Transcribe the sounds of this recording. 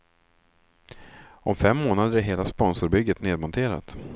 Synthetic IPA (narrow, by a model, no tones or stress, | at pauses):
ɔmfɛmːoːnad̪əɾɪɦeːlaspɔnsʊɾbʏɡːət̪neːd̪̚mɔnt̪ʰeːɾa̰t̪